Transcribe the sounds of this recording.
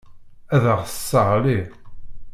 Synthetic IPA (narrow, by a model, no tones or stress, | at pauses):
æðəʁθə̥sːəʁli